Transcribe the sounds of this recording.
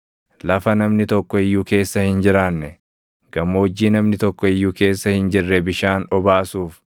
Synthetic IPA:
lɐfɐnɐmnɪt̪ɔkːɔɪjːuːke̞ːsːɐhɪnd͡ʒɪɾaːnːɛ | ɡ̥ɐmːoːd͡ʒːiːnɐmnɪt̪ɔkːɔɪjːuːke̞ːsːɐhɪnd͡ʒɪrːɛbɪʃaːnɔbaːsuːf

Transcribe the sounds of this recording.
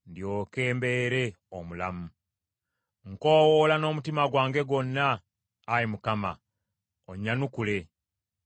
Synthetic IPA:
ndio̞ːkeːmbe̞ːɾe | omula̰mu | ŋko̞ːwolano̞ːmutimaɡwaːŋɡe̞ɡo̞nːaː | ɾimukama̰ | oɲːanukule̞

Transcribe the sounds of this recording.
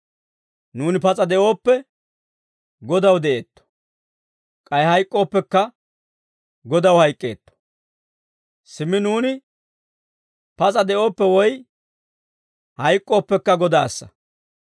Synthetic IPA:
nuːnɪpɐt͡sʼɐd̪ɛʔo̞ːpːɛ | ɡɔd̪ɐwd̪ɛʔeːt̪ːɔ̥ | kʼɐjhɐjkʼːo̞ːpːɛkːɐ | ɡɔd̪ɐwhɐjkʼːḛːt̪ːɔ̥ | sɪmːɪnuːnɪ | pɐt͡sʼɐd̪ɛʔo̞ːpːɛwɔj | hɐjkʼːo̞ːpːɛkːɐɡɔd̪aːsːɐ̰

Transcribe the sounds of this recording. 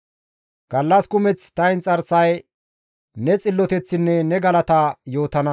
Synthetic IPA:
ɡ̥ɐlːɐskʊmɛt͡st̪ɐjnt͡sʼɐɾsɐj | nɛt͡sʼɪlːɔt̪ɛt͡sːɪnːɛnɛɡɐlɐt̪ɐjo̞ːt̪ɐnɐ

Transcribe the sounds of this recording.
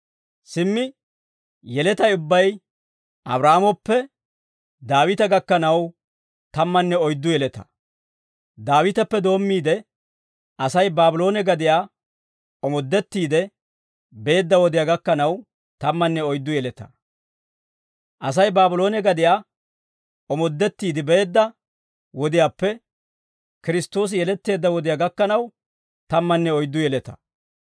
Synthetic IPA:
sɪmːɪ | jɛlɛt̪ɐjʊbːɐj | ʔɐ̰bɾaːmɔpːɛ | d̪aːwɪt̪ɐɡɐkːɐnɐw | t̪ɐmːɐnːɛɔjd̪ːʊjɛlɛt̪ɐ̥̰ | d̪aːwɪt̪ɐpːɛd̪o̞ːmːiːd̪ɛ | ɐsɐjbaːbʊlo̞ːnɛɡɐd̪ɪjaː | ɔmɔd̪ːɛt̪ːiːd̪ɛ | be̞ːd̪ːɐwɔd̪ɪjaːɡɐkːɐnɐw | t̪ɐmːɐnːɛɔjd̪ːʊjɛlɛt̪ɐ̥ | ʔɐs̬ɐjbaːbʊlo̞ːnɛɡɐd̪ɪjaː | ɔmɔd̪ːɛt̪ːiːd̪ɪbe̞ːd̪ːɐ | wɔd̪ɪjaːpːɛ | kɪɾɪst̪ːo̞ːs̬ɪjɛlɛt̪ːe̞ːd̪ːɐwɔd̪ɪjaːɡɐkːɐnɐw | t̪ɐmːɐnːɛɔjd̪ːʊjɛlɛt̪ɐ̥

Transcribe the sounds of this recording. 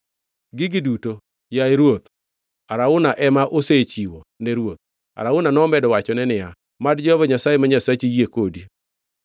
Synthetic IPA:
ɡɪɡɪduto | jaeɾwot̪ | aɾaʊnaʔɛmaʔoset͡ʃiwonɛɾwot̪̚ | a̰ɾaʊnanɔmɛdɔwat͡ʃɔnɛnɪa | madd͡ʒɔvɔɲasajemaɲasat͡ʃijekodi

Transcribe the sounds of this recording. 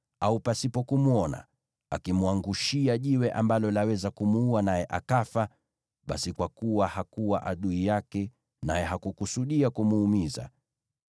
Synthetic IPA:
aupasipɔkumuɔna̰ | akimuaŋɡuʃiaʄiwɛʔambalɔlawɛzakumuuanajɛʔa̰kafa | ɓa̰sikwakuwahakuwaʔaɗuijakɛ | najɛɦakukusuɗiakumuːmiza̰

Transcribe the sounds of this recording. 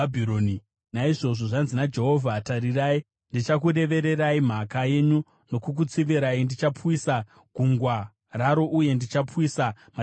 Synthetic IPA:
abʱiɾoːni | naiʐo̞ʐo̞ʐanzinad͡ʒe̞ɦo̞vʱataɾirai | ndit͡ʃakuɾe̞ʋe̞ɾe̞ɾaim̤akaje̞ɲu | no̞kuk̬ut͡siʋiɾaindit͡ʃapwisa | ɡ̥ʱuŋɡwa | raɾo̞ʔuje̞ndit͡ʃapwisa | ma

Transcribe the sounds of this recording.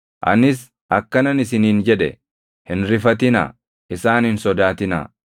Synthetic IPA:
ʔɐ̰nɪs | ʔɐkːɐnɐnɪsɪniːnd͡ʒɛᶑɛ̰ | hɪnɾɪfɐt̪ɪna̰ː | ɪsaːnhɪnsɔd̪aːt̪ɪna̰ː

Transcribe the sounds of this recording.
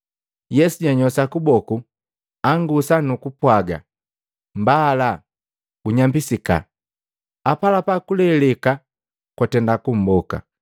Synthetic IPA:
jɛsuɟaɲɔsakubɔku | aŋɡusanukupwaɡa̰ | mbaːla | ɡ̥uɲambisika̰ | apalapakulɛlɛka | kwatɛndakum̩bɔka̰

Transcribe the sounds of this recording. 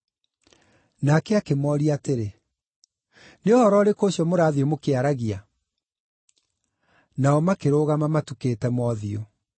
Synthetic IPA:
nakɛakemɔɾiateɾe | neɔhɔɾɔɾekoːɕiɔmoɾaːðiomokeaɾaɣia | naɔmakeɾoːɣamamatukeːtɛmɔːðio

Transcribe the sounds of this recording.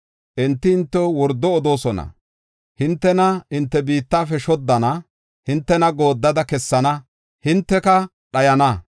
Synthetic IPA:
ʔɛnt̪ːɪɪnt̪ːɔwɔɾd̪ːɔːd̪o̞ːsɔnɐ̰ | hɪnt̪ːɛnɐɪnt̪ːɛbiːt̪ːaːfɛʃɔd̪ːɐnɐ | hɪnt̪ːɛnɐɡo̞ːd̪ːɐd̪ɐkɛsːɐnɐ | hɪnt̪ːɛkɐ | ɗɐjɐnɐ

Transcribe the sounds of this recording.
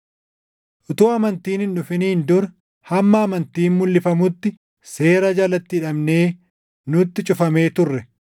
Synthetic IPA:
ʔʊt̪oːɐmɐnt̪iːnɪnᶑʊfɪniːnd̪ʊɾɐ | hɐmːɐːmɐnt̪iːnmːʊlːɪfɐmʊt̪ːɪ | se̞ːɾɐd͡ʒɐlɐt̪ːɪːᶑɐmne̞ː | nʊt̪ːɪt͡ʃʼʊfɐme̞ːt̪ʊrːɛ

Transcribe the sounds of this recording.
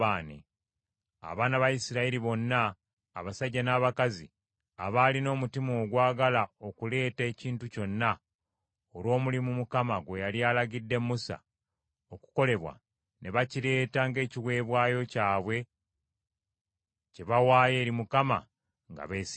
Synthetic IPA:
aːnḛ | a̰βaːnaβajisiɾaiɾiβo̞nːaː | βasaɟːanaːβakazḭ | a̰βalino̞ːmutimo̞ːɡwaːɡalao̞kule̞ːte̞ːciːntuco̞nːa | olwo̞ːmulimumukamaɡwe̞jaliaːlaɡidːe̞mːusa̰ | o̞ku̥ko̞le̞βwa̰ | ne̞βaciɾe̞ːtaŋɡe̞ːciwe̞ːβwaːjo̞caːβwe̞ | ceβawaːje̞ːɾimukama̰ | ŋɡa̰βeːs

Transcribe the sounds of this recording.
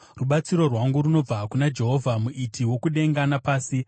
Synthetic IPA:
ruɓat͡siɾo̞rwaŋɡuɾuno̞b͡vakunad͡ʒe̞ɦo̞vʱamuʔitʰiwo̞kuɗe̞ŋɡanapaːsi

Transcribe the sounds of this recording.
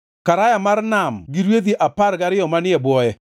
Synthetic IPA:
kaɾajamarnamɡiɾwed̪iʔapaɾɡaɾɪɔmanɪɛbwɔjɛ

